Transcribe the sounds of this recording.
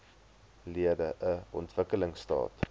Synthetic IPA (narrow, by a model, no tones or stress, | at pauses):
liədəʔəɔntvəkələŋstɑ̰ːt